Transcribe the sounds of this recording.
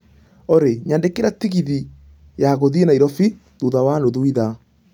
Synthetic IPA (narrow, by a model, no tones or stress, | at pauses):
oɾeɲandekeɾatiɣiði | jaɣoðienaiɾɔfi | ðuðawanoðuiða